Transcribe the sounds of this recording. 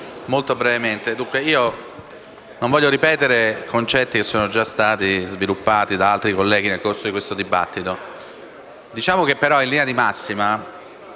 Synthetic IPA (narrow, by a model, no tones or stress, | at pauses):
molt̪obɾɛvement̪ed̪uŋkweiːo | nõɱvɔʎːoɾipɛːt̪eɾekont͡ʃɛt̪ːikesːoːnod͡ʒast̪aːt̪izvilupːaːt̪id̪aalt̪ɾikolːɛːɡ̟inelkorsod̪ikwest̪od̪iba̰t̪ːit̪o | d̪it͡ʃaːmok̟epːeɾɔilinead̪imasːima